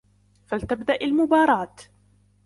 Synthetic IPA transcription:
falt̪abd̪aʔalmʊbɑːɾˤɑːt̪

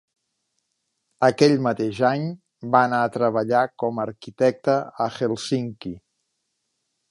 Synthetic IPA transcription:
əkɛʎmət̪eʒaɲ | baənaət̪ɾəβəʎakɔməːɾkit̪ɛk̚t̪əəxelˠsiŋki

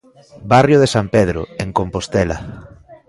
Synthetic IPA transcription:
barjoð̞esampeð̞ɾʊ̰eŋkompost̪ɛlɐ̰

